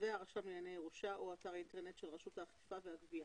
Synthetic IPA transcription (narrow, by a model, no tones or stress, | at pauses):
veaʁaʃamijanejeʁuʃaʔuataʁinteʁnet̪ʃelʁaʃutaχifaveaɡvia